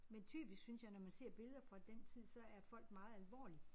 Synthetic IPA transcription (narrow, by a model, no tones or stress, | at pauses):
ment͡sʰy̰ːb̥isɡ̥synsjɑ̈ɪnɒmænse̝ɐ̰b̥e̝lð̞ˠɐfɒd̥ent͡sʰið̞̰ˠsɒ̽æɐfɒ̽l̰ɡ̥̚mɑ̈ːð̩ˠælʋɒ̰ːli